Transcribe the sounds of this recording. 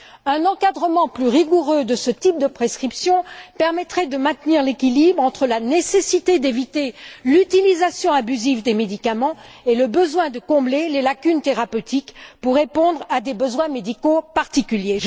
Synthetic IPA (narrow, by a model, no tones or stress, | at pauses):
ɛ̃nɑ̃kad̪ʁəmɑ̃plyʁiɡuʁød̪əsət̪ip̚d̪əpχeskχipsjɔ̃pɛʁmɛt̪χɛd̪əmɛ̃t̪niʁlekʲilibʁɑ̃t̪χəlanesesit̪ed̪evit̪elyt̪ilizasjɔ̃abyzivd̪emed̪ikamɑ̃eləbəzwɛ̃d̪əkɔ̃blelelakʲynt̪eʁapøt̪ikpuʁːepɔ̃d̪ʁad̪ebəzwɛ̃med̪ikopaʁt̪ikʲylje